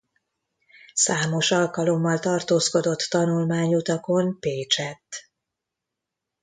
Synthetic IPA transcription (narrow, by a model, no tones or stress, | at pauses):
saːmo̞ʃɒlkɒlo̞mːɒlt̪ɒrt̪oːsko̞d̪o̞t̪ːɒnulmaːɲut̪ɒko̞npeːt͡ʃɛt̪ː